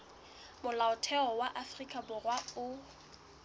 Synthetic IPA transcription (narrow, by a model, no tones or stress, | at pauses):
mʊlaʊtʰɛɔwaʔafrikʼabʊrwaʊ